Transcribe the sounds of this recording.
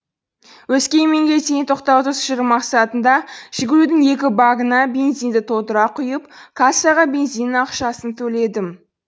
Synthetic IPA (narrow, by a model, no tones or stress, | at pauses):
wɵskʲe̞j̪me̞ŋɡʲe̞t̪et̪ʰoqt̪ɑwt̪ʰəsʃɪɾɪmɑqsɑt̪ənd̪ɑʒ̥ɪɡʲɪɾud̪ɪŋe̞kʲɪbɑɡənɑbʲe̞nzijnd̪ɪt̪ʰo̞t̪əɾɑqʰʊjəp̚kʰasɑʁɑbʲe̞nzijnɑqʃɑsənt̪ʰɵle̞d̪ɪm